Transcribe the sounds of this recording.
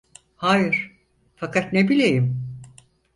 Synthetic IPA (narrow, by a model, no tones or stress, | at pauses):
haːjɯɾ̥ | fakʰat̪nebilʲejim